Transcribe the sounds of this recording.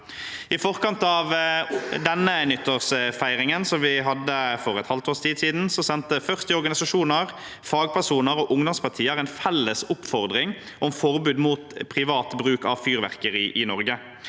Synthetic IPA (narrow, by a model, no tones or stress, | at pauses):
ɪfɔʁkɑnt̪ɑʋd̪ɛnːənʏt̪ːəʁsfæɪʁɪŋənsɔmʋɪɦɑd̪ːəfɔʁɛt̪hɑlt̪oːʁst̪ʰiːd̪siːd̪n̩sɔsɛnt̪əfœʁt̪ɪɔʁɾɡɑnɪsɑʂuːnəʁ | fɑːɡpʰæʁʂuːnəɾɔːʔʊŋd̪ɔmspʰɑʁt̪ʰiːəɾɛɪnfɛlːəsʊpfɔʁd̪ʁɪŋ | ʔɔmfɔʁbʉːd̪muːt̪pʰʁɪʋɑːt̪bɾʉːkɑʋfyːʁʋæ̰ʁkəɾɪʔɪnɔɾɡə